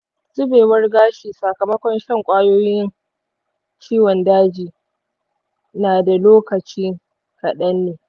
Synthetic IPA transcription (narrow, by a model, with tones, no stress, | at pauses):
zʊ˦beː˨wɐ˦rɡaː˦ʃiː˨sa˨kɐ˨mɐ˦kʷɔ˦nʃɐ˦˨ŋkʷʼaː˦joː˦jɪ˦ɪ˦n | t͡ʃiː˦wɔ˨ndaː˦d͡ʒiː˨ | naː˨da˨loː˦kɐ˨t͡ʃiː˦ŋ | kɐ˨ɗɐ˦nːeː˨